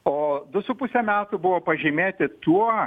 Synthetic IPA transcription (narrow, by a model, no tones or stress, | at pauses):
oːd̪ʊsʊpʊsʲɛmʲæːt̪ʊbʊʋoːpɐʒʲɪmʲeːt̪ʲɪt̪uɔ